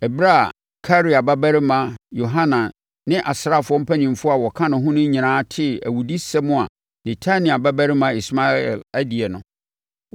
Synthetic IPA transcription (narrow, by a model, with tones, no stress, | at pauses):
ɛ˨bɾa˦˨ | kʰa˦ɾi˨a˨ba˦bæ˦ɾɪ˦mã˨jo˨ɦã˦nã˨ | nɪ̃˦ʔa˨sɾa˦˨fʊ˨ɔ˦m̩˦pʰæ˦nĩ˨m˨fʊ˦a˨wɔ˨kʰã˦nʊ̃˨ɦʊ̃˦nʊ̃˦ɲɪ̃˨nãː˦tʰɪ˦˨æ̰˨wu˨di˦sɛ˦mʊ̃˦a˨ | nɛ̃˨tʰa˦nĩ˨a˨ba˦bæ˦ɾɪ˦mã˨i˨sma˦ɛ̰˨læ˦di˨ɛ˨nʊ̰̃˨